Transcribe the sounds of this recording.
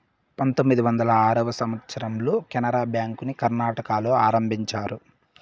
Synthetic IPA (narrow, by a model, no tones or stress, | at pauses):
pɐnt̪omːid̪iʋɐnd̪ɐlɐaːɾɐʋɐsɐmʋɐt̪sɐɾɐmloːkɛnɐɾaːbjaːŋkunikɐɾnaːʈɐkaːloːaːɾɐmbʱiɲt͡ʃaːɾu